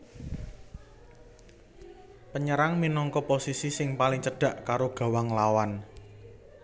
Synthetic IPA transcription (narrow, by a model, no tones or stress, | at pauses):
pəɲəɾaŋminɔŋkɔposisisɪŋpalɪŋt͡ʃəɖ̥a̤ʔkaɾoɡ̥a̤waŋlawan